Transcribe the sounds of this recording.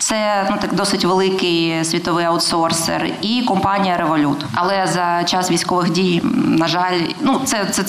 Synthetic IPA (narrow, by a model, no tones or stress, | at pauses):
t̪sɛnut̪ɐkd̪ɔsɪtʲʋelˠɪkɪjsʲʋʲit̪ɔʋɪjɐwt̪sɔrsḛrikɔmpɑnʲijɐɾeʋɔlʲut̪ɐlˠɛzɐt͡ʃɑsʋʲijsʲkɔʋɪxdʲijnɐʒɑlʲnut̪sɛt̪sɛ